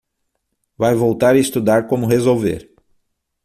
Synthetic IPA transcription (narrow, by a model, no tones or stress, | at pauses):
vajvowt̪aɾɐist̪ud̪aɾkõmʊɦezowvḛɾ